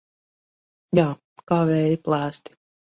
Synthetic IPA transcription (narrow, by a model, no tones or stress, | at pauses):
jaː | kaːvɛːɾiplˠæːst̪i̥